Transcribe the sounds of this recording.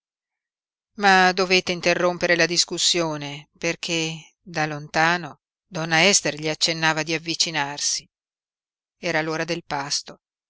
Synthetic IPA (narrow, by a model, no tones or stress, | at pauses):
mad̪oveːt̪eint̪erːompeɾelad̪iskusːjoːneperkʰe | d̪alont̪aːno | d̪ɔnːaɛst̪erʎiat͡ʃːenːaːvad̪iavːit͡ʃinarsi̥ | ɛːɾaloːɾad̪elpast̪o